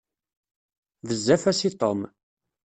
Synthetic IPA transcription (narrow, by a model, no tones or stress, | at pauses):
ðəzːæfæsit̪ˤom